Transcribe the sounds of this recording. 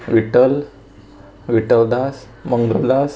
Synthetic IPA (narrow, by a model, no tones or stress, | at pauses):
ʋiʈəl | ʋiʈəld̪as | məŋɡəld̪as